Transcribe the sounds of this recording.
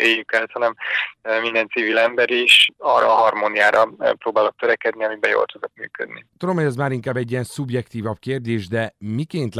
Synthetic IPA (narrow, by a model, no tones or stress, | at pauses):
eːjːykɛlt̪hɒnɛmmind̪ɛnt̪siviːlɛmbɛɾiʃɒːrɒ̰ːɦɒrmoːnijaːɾʔɒpɾoːbaːlo̞k̚t̪øɾɛkɛd̪niɒmibɛjo̰ːlt̪ud̪o̞kmy̰ːkø̰d̪nḭt̪ud̪omhoɟɛzmaːɾiŋkaːbɛɟːiɛnsubjɛkt̪iːvɒb̚keːrd̪eːʒd̪ɛmikeːnt̪